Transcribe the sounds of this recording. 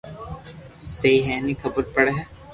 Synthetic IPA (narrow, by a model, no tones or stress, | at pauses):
seiɦɛːnikʰɐbəɾpɐɽeɦɛː